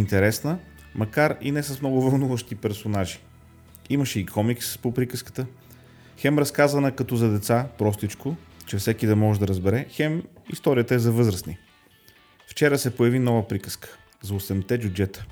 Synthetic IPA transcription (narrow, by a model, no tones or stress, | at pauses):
int̪ɛɾɛsnə | mɐkaɾinɛsɐsmnɔɡʊvɐlˠnuvəʃt̪ipɛɾsonaʒi̥ | iməʃɛikʰɔmikspopɾikəskə̥t̪ə | xɛmɾɐskazɐnəkɐt̪ɔzɐd̪ɛt̪sapɾɔst̪it͡ʃkot͡ʃɛfsɛkid̪ɐmɔʒɛd̪ɐɾəzbɛɾɛxɛmḭst̪ɔɾijət̪əɛzɐvɤzɾəsni | ft͡ʃɛɾəsɛpojɐvinɔvəpɾikə̥skə̥ | zɐosɛmt̪ɛd̪ʲjud͡ʒɛt̪ə̥